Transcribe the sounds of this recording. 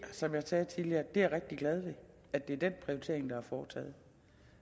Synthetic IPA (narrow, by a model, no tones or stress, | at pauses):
sɒ̽mjɑ̈sɛːt͡sʰiðˠliɐd̥e̝æɐʁeɡ̥̚d̥iɡ̥lɛð̞ˠʋe̝ | æd̥e̝æɐd̥enpʰʁiot͡sʰe̝ɐeŋd̥ɑ̈hɑ̈fɒːt͡sʰɛ̰ːð̩ˠ